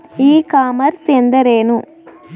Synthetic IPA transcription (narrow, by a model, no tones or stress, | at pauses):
iːkaːmɐɾsend̪ɐɾeːnu